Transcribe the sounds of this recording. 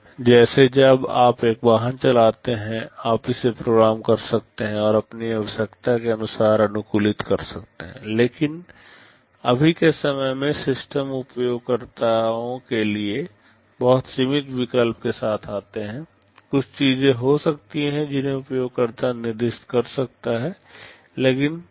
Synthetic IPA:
d͡ʒɛːsed͡ʒɐbaːpeːk̚baːɦənt͡ʃɐlaːt̪eɦɛ̃aːpisepɾoːɡɾaːmkɐɾsɐk̚t̪eɦɛ̃ɔːɾɐpniɐʋəʃəkt̪akeɐnʊsaːɾɐnʊkuːlɪt̪kɐɾsɐk̚t̪eɦɛ̰̃leːkɪn | ɐbʱikesɐməjmẽsɪsʈəmʊpjoːɡ̚kəɾt̪aõkelie | bɔɦʊt̪simɪt̪ʋɪkəlp̚kesaːt̪ʰaːt̪eɦɛ̃ː | kʊt͡ʃʰt͡ʃiːzẽɦosɐk̚t̪iɦɛ̃d͡ʒɪnɦẽʊpjoːɡ̚kəɾt̪anɪɾd̪ɪʃt̪kɐɾsɐk̚t̪aɦɛː | leːkɪn

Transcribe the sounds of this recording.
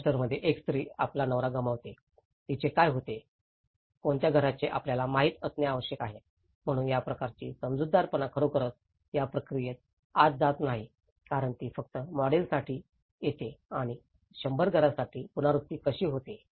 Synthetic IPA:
ʈəɾməd̪ʱːjeʔekst̪ɾiːaplanəʋɾaɡəmaʋt̪e | t̪it͡ɕekajɦot̪e | koɳt̪jaɡʱəɾat͡ɕeʔapljalamaɦiːt̪əsnjeaʋəɕjəkaɦe | m̤əɽ̃uːnjapɾəkaɾt͡ɕḭːsəmd͡zud̪ʱːaɾpənakʰəɾokəɾət̪̚ | japɾəkɾijet̪̚ | ad͡zd͡zat̪naɦi | kaɾəɳt̪iːfək̚t̪əmɔɽelsaʈʰiː | jet̪eaɽ̃i | ɕəmbəɾɡʱəɾasaʈʰiːpunaɾust̪ːiːkəɕiːɦot̪e

